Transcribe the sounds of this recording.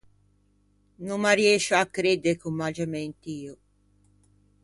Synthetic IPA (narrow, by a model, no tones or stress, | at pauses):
numːaɾjɛʃoakːɾed̪eɾkumːad͡ʒamɛnt̪iːo